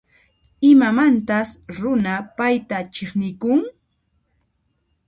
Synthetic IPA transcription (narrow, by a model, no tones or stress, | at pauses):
ɪmamant̪asɾʊnapajt̪at͡ʃeχnɪkʊŋ